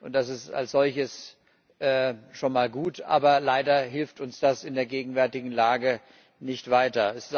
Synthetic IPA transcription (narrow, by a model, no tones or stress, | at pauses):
ʔʊntd̥asɪsta̰lsz̥ɔlçəs | ʔɛːʃoːnmaːlɡuːtʔa̰ːbɐlaɪdɐɦɪlftʊnsd̥asɪndeːɐɡeːɡŋ̩vɛɐtɪɡŋ̩laːɡə | nɪçtv̥aɪtɐɛss